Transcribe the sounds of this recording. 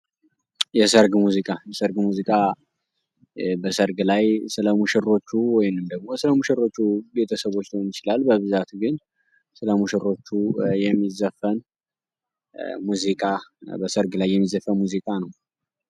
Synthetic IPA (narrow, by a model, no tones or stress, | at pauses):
jɛsəɾɡmuzikʼajɛsəɾɡmuzikʼa | bəsəɾɡlajsɨləmuʃɛro̞t͡ʃːuwɔjnɨmd̪əɡmosɨləmuʃɛɾo̞t͡ʃːube̞t̪ʰəsəβo̞t͡ʃːnəwnɪt͡ʃɪlalbəβɨzat̪ɡɨn | sɨləmuʃɛɾo̞t͡ʃːujɛmːizəfən | muzikʼabəsəɾɡlajːɛmːizəfːənmuzikʼanəw